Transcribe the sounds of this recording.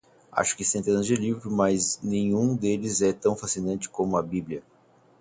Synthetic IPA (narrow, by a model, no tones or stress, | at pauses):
a̰ʃʊ̥kɪsẽnt̪ẽnɐzd͡ʒɪlivɾʊmɐznẽj̃ũd̪elɪzɛt̪ɐ̃w̃fasinɐ̃nt͡ʃɪ̥kõmʊɐbiblʲiɐ